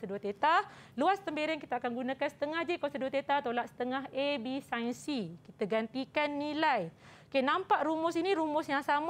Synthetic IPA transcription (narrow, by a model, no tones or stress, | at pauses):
səduat̪et̪aluast̪əmbeɾɪnkit̪aakanɡunãkansə̥t̪əŋahd͡ʒikasəduat̪et̪at̪olat̪̚sə̥t̪əŋaɦebisansikit̪aɡant̪ikanːilaj | kenãmpaʔɾumʊsiniɾumʊsjaŋsam